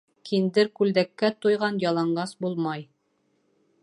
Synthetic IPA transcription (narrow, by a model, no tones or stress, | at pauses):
kʰind̪ɘɾkʉld̪ækːæt̪ujʁɑnjɑlˠɑɴɢɑsbulˠmɑj